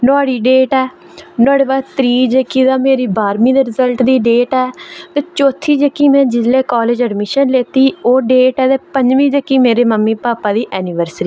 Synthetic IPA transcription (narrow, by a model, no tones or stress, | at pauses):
naːɽiːɖeːʈɛː | nəɽʋaːt̪ɾiːd͡ʒekiːd̪aːmeːɾiːbaːɾmĩːd̪eːɾɪzəlʈd̪iːɖeːʈɛːt̪eːt͡ʃoːt̪ʰːiːd͡ʒəkːiːmɛ̃ːd͡ʒɪzleːkɔːleːd͡ʒəɖmɪʃənleːt̪iːoːɖeːʈɛːt̪eːpəɲd͡ʒʋĩːd͡ʒəkːiːmeːɾeːməmːiːpaːpaːd̪iːʔɛːnɪʋəɾsɾiː